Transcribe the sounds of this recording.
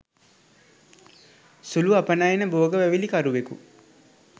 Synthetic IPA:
suluapənajenəboːɡəʋæʋilikaɾuʋekṵ

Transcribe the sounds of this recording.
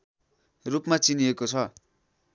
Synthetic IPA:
rupmat͡siniekot͡sʰʌ

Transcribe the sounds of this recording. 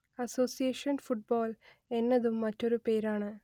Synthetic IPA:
ɐso̞ːsijeːʂɐnfuʈ̚boːl | e̞nːɐðumːɐtːo̞ɾupe̞ːɾaːɳɨ

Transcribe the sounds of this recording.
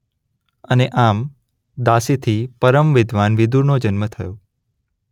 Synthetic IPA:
əneʔam | d̪asit̪ʰipəɾəmʋɪd̪ʱʋanʋɪd̪ʱuɾnod͡ʒənmət̪ʰəjõ

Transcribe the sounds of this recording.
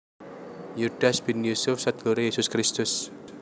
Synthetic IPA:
juɖasbinjusufsat̪̚ɡ̥oɾajesʊskɾist̪ʊs

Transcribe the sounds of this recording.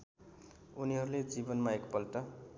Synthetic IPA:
uniɦʌɾuled͡zibʌnmaekpʌlʈʌ

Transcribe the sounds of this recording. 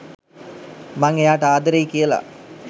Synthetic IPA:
maŋejaːʈəaːd̪əɾeikijəla̰

